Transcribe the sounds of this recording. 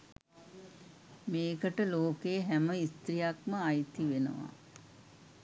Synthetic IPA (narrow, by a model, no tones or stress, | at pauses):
meːkəʈəloːkejəɦæməist̪ɾijakməajt̪iʋenə̰ʋa̰